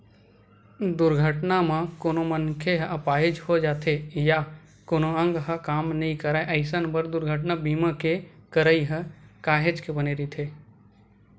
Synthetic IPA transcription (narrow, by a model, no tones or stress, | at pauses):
d̪ʊɾɡʱəʈnamãkoːnomənkʰeɦəpaːɦed͡ʒhod͡ʒaːt̪ʰeja | koːnoə̃ŋɡɦəkaːmnəɦĩkəɾaːeʔəɪsənbəɾd̪ʊɾɡʱəʈnabiːmãkekəɾəiɦəkaːɦed͡ʒkebəneɾit̪ʰe